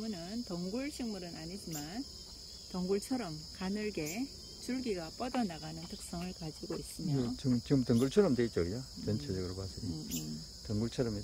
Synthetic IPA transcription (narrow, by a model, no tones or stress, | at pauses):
munɯntʌŋɡuɭɕʰiŋmuɾɯnʔaɲid͡ʑiman | tʌŋɡuɭt͡ɕʰʌɾʌmkanɯɭɡe̞ | t͡ɕuɭɡiɡap͈ʌdʌnaɡanɯntʰɯk̚s͈ʌŋɯɭkad͡ʑiɡois͈ɯmoet͡ɕɯt͡ɕiɡɯmtʌŋɡuɭt͡ɕʰʌɾʌmdweit̚t͡ɕ͈ʌɡiat͡ɕʌnt͡ɕʰed͡ʑʌɡɯɾopasʰʌi | tʌŋɡuɭt͡ɕʰʌɾʌme